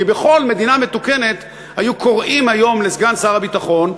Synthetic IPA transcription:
ibeχo̞lme̞d̪inametuke̞ne̞t̪ | hajukʰo̞ʁʔimhajo̞mlezɡansaaʁabitaχo̞n

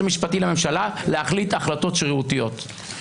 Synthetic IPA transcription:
amiʃpatileme̞mʃalaleaχlit̪aχlato̞tʃʁiutijo̞t

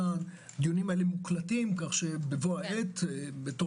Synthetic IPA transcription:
an | d̪ijunimaelemuklatimkaχʃebevoaʔet̪ebeto

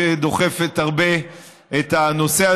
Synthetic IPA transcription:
ed̪o̞χefet̪haʁbe | et̪hano̞sea

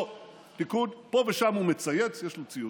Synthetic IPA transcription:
tikudpoveʃamhumet͡sajet͡sjeʃlot͡siju

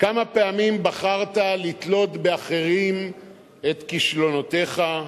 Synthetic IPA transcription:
kamape̞amimbaχaʁt̪alit̪lo̞t̪be̞aχe̞ʁim | e̞t̪kiʃlo̞not̪e̞χa

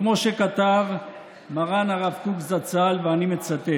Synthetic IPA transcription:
kmo̞ʃekat̪av | maʁanaʁavtukzat͡salveanime̞t͡sat̪e

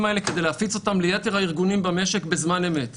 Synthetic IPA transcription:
maeleked̪eleafit͡so̞tamlejat̪eʁaiʁɡunimbame̞ʃekbezmane̞me̞t

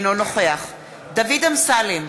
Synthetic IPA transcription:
nono̞χeaχ | davidamsalem

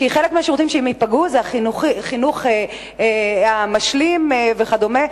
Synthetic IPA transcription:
kiχelek̚miaʃeʁott͡simʃeimipaɡuzaχinuχχinuχe | amaʃlimveχad̪ome

